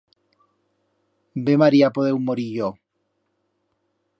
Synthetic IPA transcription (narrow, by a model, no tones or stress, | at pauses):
bemaɾiapoðewmoɾiʝo